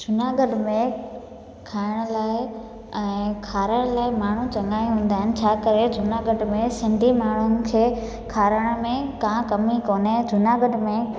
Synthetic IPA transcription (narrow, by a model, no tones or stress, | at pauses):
d͡ʒʱʊnaːɡəɖmẽ | kʰaːɪɽ̃ʊlaːɪ | ɛ̃ːkʰaːɾəɽ̃laːɪmaːɳ̤ũt͡ɕɐŋaːĩɦũːn̆d̪aːɦɪnɪ̆t͡ɕʰaːkəɾed͡ʑʱʊnaːɡəɖmẽsɪ̃ɳɖʱimaːɳ̤ʊnɪ̆kʰeː | kʰaːɾəɽ̃mẽkãːkɐmikoːned͡ʑʱʊnaɡəɖmẽ